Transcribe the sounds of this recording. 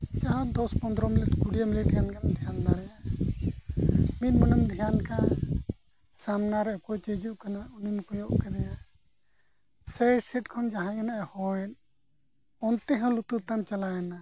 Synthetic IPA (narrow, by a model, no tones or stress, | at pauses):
d͡ʒaɦãd̪ɔspɔnd̪ɾɔmiliʈkuɽijamiliʈkankanad̪ʱijand̪aɽɛja | minmɔnəmd̪ʱijanka | samnaɾɛkɔt͡ʃid͡ʒuʔkanaunimukɔjɔʔkɛd̪ɛja | seɖsiʈkʰɔmd͡ʒaɦãkanaʔɛhɔɛn | ɔnt̪ɛɦɔ̃lut̪ut̪amt͡ʃalaɛna